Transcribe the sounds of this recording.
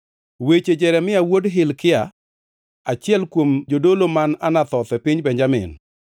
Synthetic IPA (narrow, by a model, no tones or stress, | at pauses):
wet͡ʃed͡ʒɛɾɛmɪawodɦɪlkɪa | at͡ʃɪɛlkwomd͡ʒodolomananat̪ɔt̪ɛpiɲbɛɲd͡ʒamɪ̰n